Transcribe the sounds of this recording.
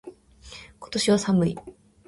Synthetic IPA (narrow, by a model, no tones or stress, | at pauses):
ko̞̥t̪o̞ɕiβasamɯ̟i